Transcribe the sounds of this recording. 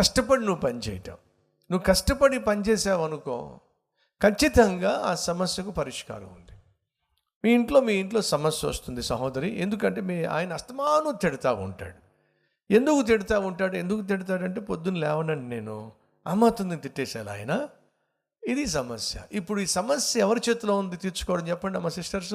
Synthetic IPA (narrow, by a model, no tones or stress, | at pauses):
kɐʂʈɐpɐɽinuʋupɐnit͡ʃɛ̰ːjɐʈa̰ːm | nuʋːukɐʂʈɐpɐɽipɐnit͡ʃeːsaːʋɐnuko̰ː | kʰɐt͡ʃːit̪ɐŋɡaːaːsɐmɐsjɐkupɐɾiʂka̰ːɾɐ̰mund̪i | miːiɳʈlo̞ːmiːiɳʈloːsɐmɐsjɐo̰st̪und̪isɐɦoːd̪ɐɾiʔe̞nd̪ukɐɳʈe̞ːmia̰ːjɐnɐst̪ɐmaːnut̪iɽit̪aːʋṵɳʈa̰ːɽu | e̞nd̪ukut̪̬iɽit̪aːʋuɳʈaːɽue̞nd̪uk̬ut̪̬iɽit̪̬aːɽɐɳʈe̞ːpo̞d̪ːunilɛːʋɐnɐɳɖine̞ːnu | a̰ːmaːt̪und̪init̪iʈːɛːsaːla̰ːjɐnɐ | id̪is̬ɐmɐsjɐ̰ʔipːuɽuiːsɐmɐsjɐɛʋɐɾit͡ʃeːt̪uloːund̪it̪iːɾt͡ʃu̥kɔːʋɐɽɐmt͡ʃɛpːɐɳɖiɐmːɐsisʈɐɾs